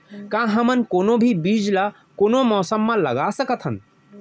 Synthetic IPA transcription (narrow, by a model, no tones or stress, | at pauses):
kãɦəmənkoːnobʱibid͡ʒla | koːnomɔːsəmːãləɡasəkət̪ʰɦən